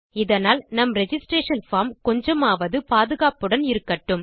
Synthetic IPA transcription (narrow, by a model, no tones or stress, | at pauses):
ɪðɐnaːlnɐmɾɛd͡ʒɪsʈɾeːʂɐnfaːɾmkɔɲd͡ʒɐmaːʋɐðɯpaːðɯɣaːpɯɽɐnɪɾɯkːɐʈːɯm